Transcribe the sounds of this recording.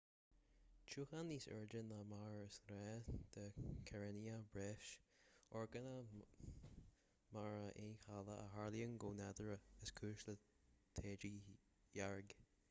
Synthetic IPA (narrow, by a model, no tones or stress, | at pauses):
t͡ʃuːxaniːsə̰ɹd͡ʒənəmaɹəsɾɛd̪̥əkʰɛɹɛniəbɹefʃɔɹɡənə | maɹəʔeːxaləʔə̰ɦaɹljəŋɡoːnɛd̪əɹəəskʰʉːʃlə | t̪ʰeːd͡ʒi | jaɹɡ